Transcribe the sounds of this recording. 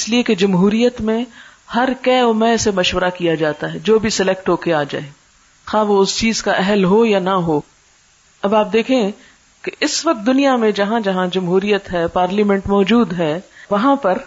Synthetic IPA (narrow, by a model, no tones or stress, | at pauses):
ɪslieked͡ʒɐmɦuːɾijət̪mẽ | hɐɾkɛːʊmɛ̃ːsemɐʃʋəɾakijad͡ʒaːt̪aɦɛd͡ʒoːbʱisɪlɛk̚ʈɦoːkeaːd͡ʒa̰ːeː | xãʋoʊst͡ʃiːz̥kaʔɛɦəlɦojanɐɦoː | ɐbaːp̚d̪eːkʰẽ | keʔɪsʋɐk̚t̪̚d̪ʊnijamẽd͡ʒɐɦãd͡ʒɐɦãd͡ʒɐmɦuːɾijət̪ɦɛːpaːɾlimɛ̃ɳʈmɔːd͡ʒuːd̪ɦɛːʋɐɦãpɐɾ